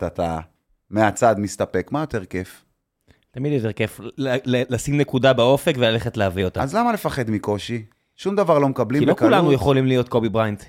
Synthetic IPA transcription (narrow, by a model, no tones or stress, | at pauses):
t̪at̪a̰ | meat͡sad̪mist̪apekmajote̞ʁkef | t̪amid̪jo̞te̞ʁkefllelasimnekudabao̞fekvelaleχetlehavio̞t̪aazlamalefaχed̪miko̞ʃi | ʃumd̪avaʁlo̞mekablikilokulanujeχolimlijot̪̚ko̞bibʁajnt